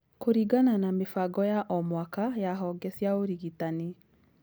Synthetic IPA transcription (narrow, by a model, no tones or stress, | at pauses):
koɾiɡananamefaɡɔjaʔɔmwakajaɦɔɡɛsiaoɾiɣitani